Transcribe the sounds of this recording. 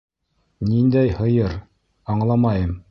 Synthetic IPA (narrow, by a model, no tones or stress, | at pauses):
nind̪æjhɤ̆jɤɾ | ɑɴlˠɑmɑjɤm